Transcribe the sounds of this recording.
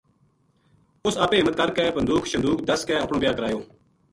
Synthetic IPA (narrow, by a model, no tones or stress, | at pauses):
ʊsaːpẽːɪmːət̪̚kəɾkɛːpənd̪uːkʰʃənd̪uːkd̪əskɛːəpɳõːbjaːkəɾaːjoː